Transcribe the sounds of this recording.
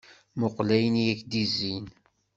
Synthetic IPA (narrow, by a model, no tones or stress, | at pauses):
moqlæjənjækd̪izːin